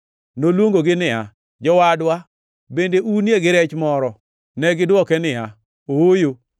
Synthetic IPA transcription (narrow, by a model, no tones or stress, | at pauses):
nolwoŋɡoɡɪnɪa | d͡ʒɔwadwa | bendeunjeɡɪɾɛt͡ʃmɔɾɔ | nɛɡɪdwɔkɛnɪa | owojo